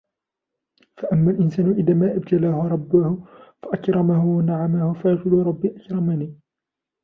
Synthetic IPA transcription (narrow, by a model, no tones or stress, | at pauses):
faʔamːaːlʔɪnsaːnʊʔɪðaːmaːʔabt̪alaːhʊɾˤɑbːʊhʊfaʔakɾˤɑmahʊwanaʕamahʊfajɑqʊlʊɾˤɑbːiːʔakɾˤɑmaniː